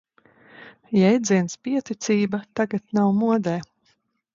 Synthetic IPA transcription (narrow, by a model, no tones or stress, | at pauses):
jɛjd̪ziɛnspiɛt̪it̪siːbat̪aɡat̪nawmuɔd̪ɛː